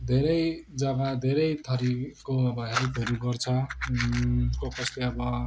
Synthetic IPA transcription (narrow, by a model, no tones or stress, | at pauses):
d̪ʱeɾʌjd͡zʌmad̪ʱeɾʌjt̪ʰʌɾikːoʌbʌɦʌɾikɦʌɾuɡʌrt͡sʰʌ | kopʌsleʌbʌ